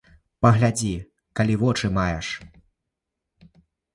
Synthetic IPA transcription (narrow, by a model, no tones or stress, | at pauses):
pɐɣlʲad͡zʲi | kalʲivɔt͡ʂɨmajɛ̰ʂ